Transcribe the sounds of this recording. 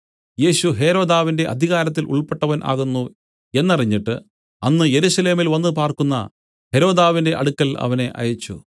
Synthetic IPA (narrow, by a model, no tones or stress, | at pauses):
je̞ːɕuɦe̞ɾo̞ːd̪aːʋinde̞ʔɐ̰d̪ʱiɣaːɾɐt̪̬ːilʔṵɭpeʈːɐʋɐnʔa̰ːɣunːu | e̞nːɐriɲːiʈːɨ | ɐnːɨje̞ɾuɕɐle̞ːmilʋɐnːɨpaːrkunːɐ̰ | he̞ɾo̞ːd̪aːʋinde̞ʔɐ̰ɽukːɐlɐ̰ʋɐne̞ʔɐ̰jɐt͡ɕːṵ